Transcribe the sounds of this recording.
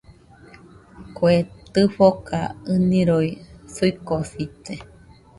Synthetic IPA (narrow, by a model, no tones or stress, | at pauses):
koet̪ɨɸokaɨniɾoisuikosit̪e